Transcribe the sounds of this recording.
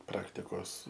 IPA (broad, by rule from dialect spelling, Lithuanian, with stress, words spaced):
ˈprɑːktʲɪkoːs